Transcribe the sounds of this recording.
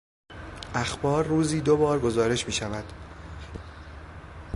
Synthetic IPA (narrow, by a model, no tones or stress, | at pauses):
ʔæxbɒːɾːuːziːd̪obɒːɾɡo̞zɒːɾe̞ʃmiːʃævæd̪̥